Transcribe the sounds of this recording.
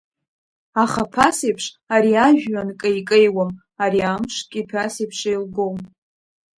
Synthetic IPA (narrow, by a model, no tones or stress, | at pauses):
aχapʰasejpʰʂ | aɾiaʒᶣːankʼaikʼejwam | aɾiamʂkʲʼipʰasejpʰʂejlɡom